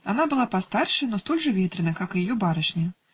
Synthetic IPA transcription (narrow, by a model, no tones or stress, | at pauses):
anabɨlˠapast̪arʂɨnɔst̪ɔlʲʐɨvʲɛt̪ɾɨnɐkakɨjajɔbaɾɐʂnʲi